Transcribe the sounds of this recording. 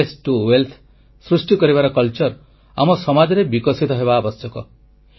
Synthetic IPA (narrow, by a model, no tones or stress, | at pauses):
esʈuwelt̪ʰ | sɾusʈikɔɾiβaɾɔkʌlt͡ʃɔɾ | a̰mɔsɔmad͡ʒɔɾebikɔsit̪ɔɦebaːbɔsjɔkɔ